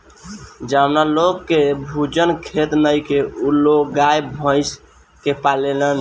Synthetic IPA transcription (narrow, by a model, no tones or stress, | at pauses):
d͡ʒawnalokːebʱud͡ʒənkʰet̪nəjkeulokɡajbʱə̃ɪs | kepalelən